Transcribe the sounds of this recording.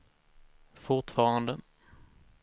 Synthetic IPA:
fʊʈfɑːɾand̪ə

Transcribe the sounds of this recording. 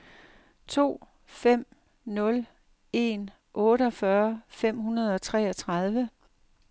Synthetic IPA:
t͡sʰo̝̰ː | fem̰ | nɔ̽l | e̝n | ʔɔ̽ːɾəɒ̽fɶːɐfem̰hunɐð̞ˠɒ̽t͡sʰʁɛ̰ːɒt͡sʰʁɑ̈ð̞ˠʋə

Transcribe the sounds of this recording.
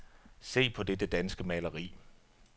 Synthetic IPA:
se̝̰ːpʰɒ̽d̥ed̥əd̥ænsɡ̥əmɛlɐʁḭː

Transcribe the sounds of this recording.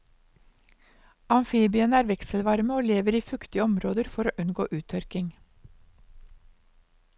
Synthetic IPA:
ɑnfiːbɪənəæːɾʋɛkslʋɑɾməoːleːʋəɾiːfʉkt̪ɪəɔmɾoːd̪əɾfɔɾoːʔʉnɡo̰ːʔʉːt̪ʰœɾkɪŋ

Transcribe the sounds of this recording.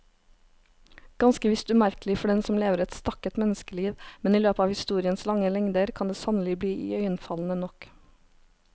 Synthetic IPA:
ɡ̥ɑnskəʋɪst̪ʉmæɾklɪfɔɖɛnsɔmleːʋəɾɛt̪st̪ɑkət̪mɛnəskəliːʋmɛniːløːpəɑːʋhɪst̪uːɾɪənslɑŋəlɛŋd̪əɾkʰɑnd̪eːsɑnəlɪbliːʔḭːœʏənfɑln̩ənɔk

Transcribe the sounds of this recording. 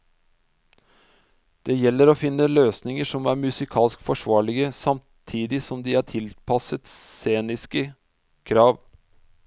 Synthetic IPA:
d̪̥eːjɛlːəɾoːfɪnːəløːsnɪŋəʂɔmæːɾmʉsɪkʰɑːlskfɔʂʋɑːɭɪɡəsɑm | t̪ʰiːd̪ɪsɔmd̪iːɑːʈʰɪlpʰɑsət̪seːnɪskə | kʰɾɑːʋ

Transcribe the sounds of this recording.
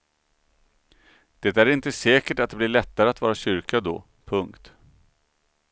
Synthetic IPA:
d̪̥ɛːt̪æɾɪnt̪əsɛːkəʈat̪̚d̪ɛblɪɭɛt̪ːaɾəat̪vɑːɾaɕʏɾkad̪ɔ̰ː | pʰɵŋkt̪

